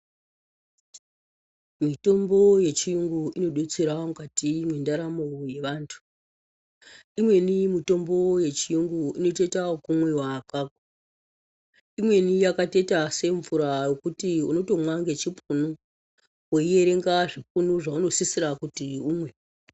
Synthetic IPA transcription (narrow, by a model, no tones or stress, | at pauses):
mito̞mbo̞je̞t͡ʃijuŋɡuino̞ɗut͡siɾamukatimwendaɾamoje̞ʋaːntʰu̥ | imwe̞nimito̞mbo̞je̞t͡ʃijuŋɡuino̞te̞takumwe̞wakaːkḁ | imwe̞nijakate̞tase̞ɱvuɾajokutiṵno̞to̞mwaŋɡe̞t͡ʃipunu | woije̞ɾe̞ŋɡaʐipunuʐauno̞sisiɾakutiumwe̞